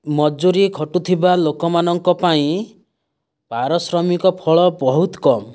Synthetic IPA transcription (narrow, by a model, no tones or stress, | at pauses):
mɔd͡ʒuɾikʰɔʈut̪ʰibalokɔmanɔŋkɔpaĩ | bʱaɾɔsɾɔmikɔpʰɔɭɔbɔɦut̪kɔmɔ